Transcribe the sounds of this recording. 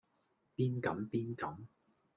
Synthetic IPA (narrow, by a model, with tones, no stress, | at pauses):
piː˥nkɐ˨˥mpiː˥nkɐ˨˥m